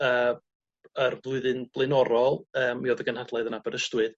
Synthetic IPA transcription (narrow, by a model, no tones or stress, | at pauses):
əː | ərvlˠʊɨðɨnb̥lˠɨnɔɾɔlˠəːmiɔðəɡənhadlˠaɨðənabəɾəstwɨð